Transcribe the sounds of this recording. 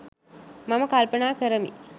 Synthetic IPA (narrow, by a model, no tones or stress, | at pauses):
maməkalpənaːkəɾəmḭ